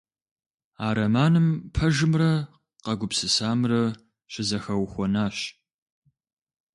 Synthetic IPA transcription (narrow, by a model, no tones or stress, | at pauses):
aːɾɐmaːnɨmpʰɐʒɨmrɐ | qɐɡʷʊpsɨsaːmrɐ | ɕɪzɐxɐwxʷɔnaːɕ